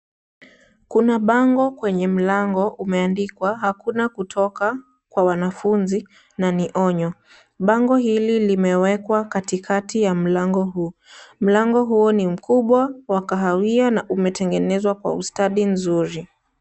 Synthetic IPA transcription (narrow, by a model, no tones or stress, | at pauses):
kunaɓaŋɡɔkwɛɲɛm̩laŋɡɔʔumɛandikwaɦakunakutʰɔka | kwawanafunzi | naniʔɔɲɔ | ɓaŋɡɔhililimɛwɛkwakatikʰatijam̩laŋɡɔɦum̩laŋɡɔɦuɔnim̩kuɓwawakaɦawianaʔumɛtɛŋɡɛnɛzwakwa̰ustaɗim̩zuɾi